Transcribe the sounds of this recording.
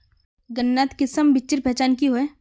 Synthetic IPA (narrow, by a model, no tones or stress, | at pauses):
ɡənːaːt̪kɪsəmbɪt͡ʃːɪɾpɛːt͡ʃaːnkiɦoeː